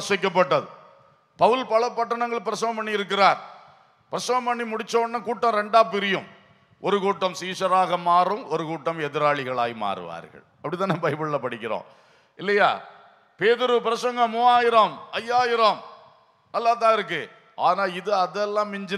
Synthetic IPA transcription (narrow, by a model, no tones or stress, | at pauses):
sɐɪk̬ːɐpːɐʈːɐðɯ | pɐʋɯlpɐlɐpːɐʈːɐɳɐŋɡɐɭpɪɾɐsɐŋɐmpɐɳːiɪɾɯk̬ːɪɾaːɾ | pɪɾɐsɐŋɐmpɐɳːimʊɽɪt͡ʃːoːnːɐkuːʈːɐ̃ːɾɛɳɖaːpɪɾɪjɯm | ʔɔɾɯkuːʈːɐmsiːsɐɾaːɣɐmaːrɯmɔɾɯkuːʈːɐmɛðɪɾaːɭɪɣɐɭaːjma̰ːɾɯ̰ʋa̰ːɾɣɐ̰ɭ | ɐpːɐɽɪt̪ːaːnːebɐɪbɯɭlɐpːɐɽɪkʲːɪɾõ̰ː | ɪlːɐja̰ː | peːðɪɾɯpɪɾɐsɐŋɡɐmuaːjɪɾaːmɐjːaːjɪɾaːm | ɛlːaːt̪̬ːãːɪɾɯkːɯ | ʔaːnaːlɪðɯɐðɛlːãːmɪɲd͡ʒɪ